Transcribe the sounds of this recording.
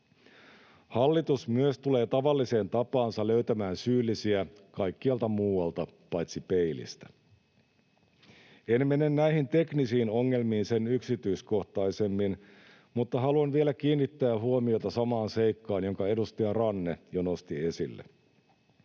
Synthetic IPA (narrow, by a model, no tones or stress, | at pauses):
hɑlːit̪usmyøst̪ule̞ːt̪ɑʋɑlːise̞ːnt̪ɑpɑːnsɑløɥt̪æmæːnsyːlːisiæ | kɑjkːiɑlt̪ɑmuːwɑlt̪ɑpɑjt̪sipe̞ilḭst̪æ̥ | enme̞nenːæihint̪e̞knisiːno̞ŋːe̞lmiːnse̞nyksit̪yisko̞ht̪ɑijse̞mːin | mut̪ːɑɦɑluɑnʋielækiːnːit̪ːæːɦuomio̞t̪ɑsɑmɑːnse̞jkːɑːnjo̞ŋkɑe̞dust̪iɑrɑnːejono̞st̪ie̞silːḛ